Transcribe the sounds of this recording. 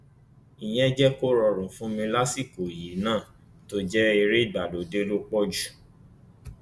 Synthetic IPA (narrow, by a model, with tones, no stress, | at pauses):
i˨j̃ɛ̃˦d͡ʒɛ˦ko˦ɾɔ˧ɾũ˨˦fũ˦mĩ˧la˦si˦˨ko˨ji˨˦nãː˦˨ | to˦d͡ʒɛ˦i˧ɾe˦i˦˨ɡ͡ba˨do˨˦de˦lo˦k͡pɔ˦d͡ʒu̥˦˨